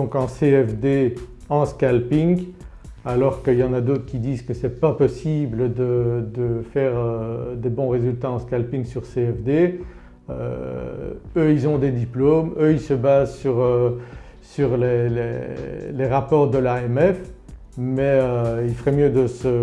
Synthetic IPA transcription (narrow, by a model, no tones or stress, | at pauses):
d̪ɔ̃kɑ̃seɛfd̪e | ɑ̃skalpiŋ | alɔʁkəiljɑ̃nad̪ot̪χə̥kʲid̪iːzkəsɛpapɔsibləd̪əd̪əfɛːʁød̪ebɔ̃ʁezylt̪aɑ̃skalpiŋsyʁseɛfd̪e | ø̰ | øilzɔ̃d̪ed̪iplomøilsəbazsyʁø | syʁlelḛleʁapɔʁd̪əlaɛmɛf | mɛøilfəʁɛmjød̪əsə